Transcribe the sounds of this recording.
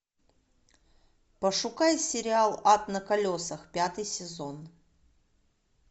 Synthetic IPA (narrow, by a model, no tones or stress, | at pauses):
pəʂʊkajsʲɪɾʲɪalˠat̪nəkɐlʲosəxpʲat̪ɨjsʲɪzo̞n